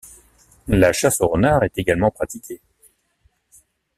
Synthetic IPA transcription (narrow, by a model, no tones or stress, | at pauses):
laʃasoʁənaʁɛt̪eɡalmɑ̃pχat̪ikʲʰe